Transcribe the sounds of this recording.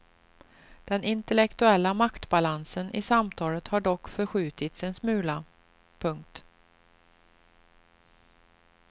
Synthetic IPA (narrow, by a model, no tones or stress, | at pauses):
d̪̥ɛnɪnt̪ɛlɛkt̪ɵɛlːamakt̪balansənʔɪsamt̪ʰɑːlət̪haɖɔkːfœɾɧʉ̟ːt̪ɪt̪sɛnsmʉ̟ːla | pʰɵŋkt̪